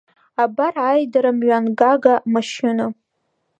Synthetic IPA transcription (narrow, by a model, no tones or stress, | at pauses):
abarajdaɾamɥanɡaɡamaʃɪna